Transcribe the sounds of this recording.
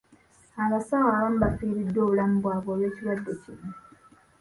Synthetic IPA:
aβasawaːβam̩bapːiːɾidːo̞ːβulamubwaːβo̞ːlwe̞ːciɾwadːecino

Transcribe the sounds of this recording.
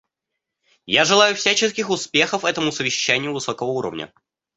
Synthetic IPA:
jaʐɨlˠajʊfsʲæt͡ɕɪskʲɪxʊspʲe̞xəfɛt̪əmʊsəvʲɪɕːænʲɪjʊvɨsokəvəuɾə̰vnʲə̰

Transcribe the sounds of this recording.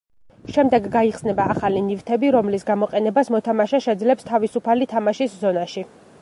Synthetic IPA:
ʃɛmd̪ɛɡːaiχsnɛbaːχalinivt̪ʰɛbiɾɔmlisɡamɔqʼɛnɛbasmɔt̪ʰamaʃaʃɛd̪zlɛpst̪ʰavisupʰalit̪ʰamaʃiszɔnaʃi

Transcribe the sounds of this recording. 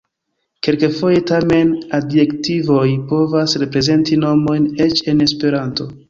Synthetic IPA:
ke̞lkefo̞je̞tame̞nadje̞ktivo̞jpo̞vasɾe̞pɾe̞ze̞ntino̞mo̞jne̞t͡ʃe̞ne̞spe̞ɾanto̞

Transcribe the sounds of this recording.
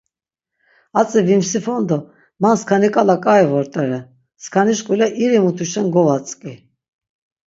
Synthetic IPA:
at͡sʼivimsifɔnd̪ɔ | manskʰanikʼalakʼajvɔɾt̪ʼɛɾɛ | skʰaniʃkʼulɛʔiɾimut̪ʰuʃɛnɡɔvat͡sʼkʼi

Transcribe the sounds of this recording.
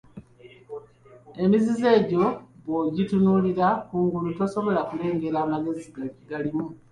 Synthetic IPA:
e̞mizize̞ːɟo̞βoɟitunuːliɾakuːŋɡuluto̞so̞βo̞lakule̞ːŋɡe̞ɾaːmaɡe̞ziɡaciɡalimu

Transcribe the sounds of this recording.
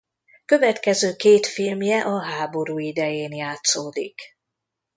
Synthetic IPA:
kø̞vɛt̪kɛzøːkeːt̪filmjɛʔɒɦaːbo̞ɾuːid̪ɛjeːnjaːt̪soːd̪ḭk

